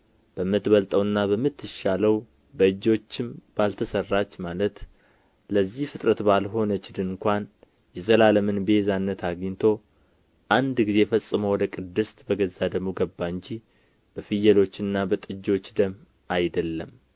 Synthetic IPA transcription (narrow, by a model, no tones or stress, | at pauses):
b̥əmːɨt̪bəlt̪ʼəwɨnːabəmːɨt̪ʰːɨʃaləw | bəɨd͡ʒo̞t͡ʃːɪmb̥alt̪ʰəsərːat͡ʃːmalət̪ | ləzːihfɨt̪ʼɾət̪balɦo̞nət͡ʃːd̪ɨŋkʷan | jɛzəlaləmɨnbezanːət̪ʰaɡiɲt̪ʰo̞ | ʔand̪ɡize̞fəsʼːɨməwɔd̪əkʼɨd̪ːɨst̪bəɡəzːad̪əmoɡəbːaɨɲd͡ʒi | b̥əfɨjɛlo̞t͡ʃːɨnːabət̪ʼɨd͡ʒo̞t͡ʃːd̪əm | ajd̪əlːəm